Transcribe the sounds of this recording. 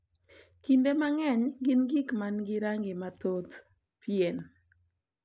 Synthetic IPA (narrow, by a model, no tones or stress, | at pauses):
kindemaŋɛɲɡɪnɡikmanɡɪɾaŋɡɪmat̪ot̪ | pjen